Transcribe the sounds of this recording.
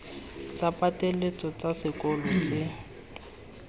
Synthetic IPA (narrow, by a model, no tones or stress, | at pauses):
t͡sʼapʼatelet͡sʼɔt͡sasɪkʼɔlɔt͡sʼɪ